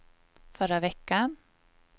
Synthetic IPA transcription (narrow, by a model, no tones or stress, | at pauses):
fœɾavɛkːan